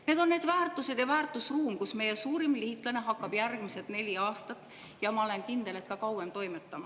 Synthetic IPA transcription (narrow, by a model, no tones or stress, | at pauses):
ne̞d̪o̞nːe̞ːd̪væːrt̪ːˑuse̞d̪̥jɑvæːrt̪ˑusruːmkusme̞je̞suːɾimlihːt̪ːˑlɑne̞ɦɑkːˑɑb̥jærɡ̥mise̞t̪ne̞lʲiɑːst̪ɑt̪ːˑ | jɑmɑole̞nkind̪̥e̞let̪̚kɑkɑwemt̪o̞jmet̪ːɑmɑ